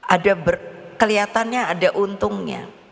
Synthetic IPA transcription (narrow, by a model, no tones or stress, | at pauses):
ʔadabərkəliat̪anɲaːdaʔunt̪ʊŋɲa̰